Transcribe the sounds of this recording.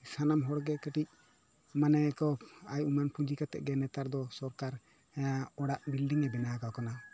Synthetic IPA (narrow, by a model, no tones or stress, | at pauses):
sanamɦɔɽɡɛkəʈic̚ | manɛkɔpajumanpʰud͡ʒikat̪ɛ̰ʔɡɛnɛt̪aɾd̪ɔsɔɾkaɾ | aɔɽaʔbilɖiŋɛbɛnakakana